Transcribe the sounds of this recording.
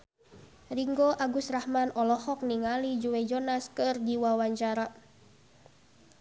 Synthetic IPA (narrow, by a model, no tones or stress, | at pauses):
riŋɡɔʔaɡusrahmanɔlɔhɔk̚niŋalid͡ʒuwɛd͡ʒɔnaskɨrdiwawaɲt͡ʃaɾa